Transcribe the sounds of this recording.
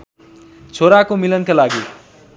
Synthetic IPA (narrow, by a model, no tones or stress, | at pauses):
t͡sʰoɾakomilʌnkalaɡi